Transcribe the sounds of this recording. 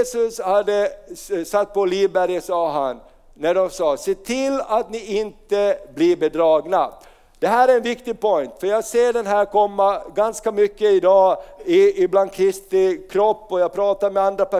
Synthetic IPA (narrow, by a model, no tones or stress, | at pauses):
sɵshad̪ːəsat̪ːpʰɔliːvbæɾjəsɑːɦanː | æɖɔmsɑːseːt̪ʰɪlːat̪nɪɪnt̪əbliɾbɛd̪ɾɑːɡna | d̪̥ɛɦæːɾæɾɛnvɪkt̪ɪɡ̚pʰɔjnt̪fœɾjɑːɡseːɖɛnɦæːɾkʰɔmːaɡanskamʏkːəɪd̪ɑːɪɪbland̪kʰɾɪst̪ɪkʰɾɔpːɔjɑːɡ̚pʰɾɑːt̪aɾmɛand̪ɾapæ